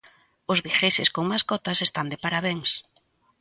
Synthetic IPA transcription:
ʊzβixesɪskoŋmaskɔt̪asest̪and̪epaɾaβeŋs

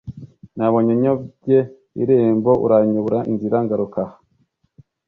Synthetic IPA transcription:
naβoɲoɲoɟe | ḭɾeːmboʔṵɾaɲuβuɾaʔḭnziɾaŋɡaɾukaha

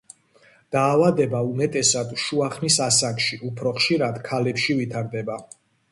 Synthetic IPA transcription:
d̪̥aːvad̪ɛbaumɛt̪ʼɛsad̪ʃuaχnisasakʃiʔupʰɾɔχʃiɾad̪kʰalɛpʃivit̪ʰaɾd̪ɛba

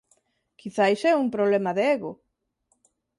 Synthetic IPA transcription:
kiθajsɛumpɾoβlemaðeeɣo

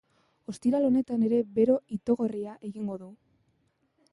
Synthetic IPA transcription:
o̞st̪iɾalo̞ne̞t̪ane̞ɾe̞be̞ɾo̞it̪o̞ɣo̞riaʔe̞ɣiŋɡo̞ðu

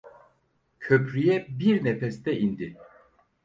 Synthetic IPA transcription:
cʰøpɾyjɛbiɾnefɛst̪ʰɛind̪ɪ

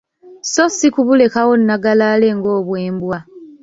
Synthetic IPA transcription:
sosikuβule̞kawo̞nːaɡalaːle̞ŋɡo̞ːβwe̞ːmbwa

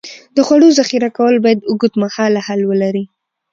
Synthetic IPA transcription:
d̪əxwaɽozaxiɾakawəlbɑjad̪ʊɡud̪mahɑlahalwəlaɾi

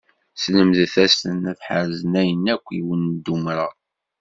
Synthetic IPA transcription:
sləmðθæstənæθħəɾzənæjənːækʷːiwənd̪ːumɾɑ

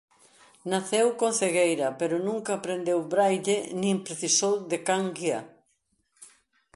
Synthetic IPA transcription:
naθewkõnθeɣejɾɐpeɾʊnũŋkaːpɾend̪ewβɾajʎenĩmpɾeθisowðekaŋɡia̰

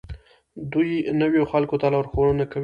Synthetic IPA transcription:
d̪ujnəwjoxalkot̪alawɾxoɽənakaw

